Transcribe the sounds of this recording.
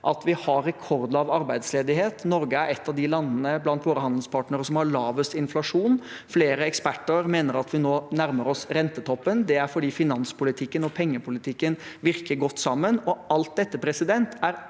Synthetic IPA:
ʔɑt̪ʋɪhɑɾːɛkʰɔɾd̪̩ɑʋɑɾbæɪd̪sleːd̪ɪheːt̪nɔɾɡəæɾɛt̪ːɑʋd̪ɪlɑnːənəblɑnt̪ʋoːɾəhɑnd̪l̩spʰɑːʈnəɾəsɔmhɑɭɑːʋøːsɪnflɑʂuːn | fleːɾəɛkspæʈːəɾmeːnəɾɑt̪ʰʋɪnoːnæɾməɾɔsɾɛnt̪ət̪ʰɔpːənd̪ɛæɾfɔɖiːfɪnɑnspʰʊlɪt̪ʰɪkːənɔpʰɛŋːəpʰʊlɪt̪ʰɪkːənʋɪɾkəɾɡɔt̪ːsɑmːənɔɑlt̪̚d̪ɛt̪ːəpʰɾɛsɪd̪ɛnt̪ʰæɾ

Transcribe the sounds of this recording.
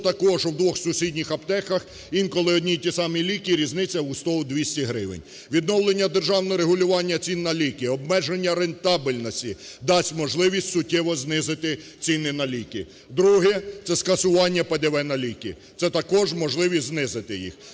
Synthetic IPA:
t̪ɐkɔʒwd̪ʋɔxsʊsʲidʲnʲixɐpt̪ɛxɐx | inkɔlˠɪɔdʲnʲijtʲisɑmilʲikʲiɾʲiznɪt͡sʲɐust̪ɔʊd̪ʲʋʲisʲtʲiɦɾɪʋḛnʲ | ʋʲid̪nɔwlˠenʲːɐd̪erʒɑwnɔɾeɦʊlʲʊʋɑnʲːɐt͡sʲinːɐlʲikʲiɔbmɛʒenʲːɐɾent̪ɑbɪlʲnɔsʲtʲid̪ɑsʲtʲmɔʒlˠɪʋʲisʲtʲsʊtʲːɛʋɔznɪzɪt̪ɪ | t͡sʲinɪnɐlʲikʲi | d̪ɾuɦɛt̪sɛskɐsʊʋɑnʲːɐpɐd̪eʋɛnɐlʲikʲi | t̪sɛt̪ɐkɔʒmɔʒlˠɪʋʲisʲznɪzɪt̪ɪjḭx

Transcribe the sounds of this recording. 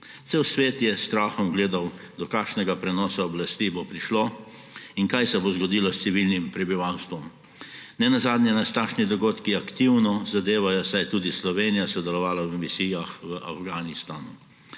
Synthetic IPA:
t̪sewsʋeːt̪jɛst̪ɾaːxɔmɡleːd̪aw | d̪ɔkaːkʃnɛɡapɾɛnɔːsaɔblast̪iːbopɾiʃloː | iŋkajsɛbozɡɔd̪iːlɔst̪iʋilnimpɾɛbiʋawst̪ʋɔm | nɛnazaːd̪nʲjɛnast̪aːʃnid̪ɔɡoːt̪kiakt̪iwnɔzad̪eːʋajɔsajt̪uːd̪islɔʋeːnijasɔd̪ɛlɔʋaːlaʋəmisiːjaxʋəʔafɡaːnist̪aːnu

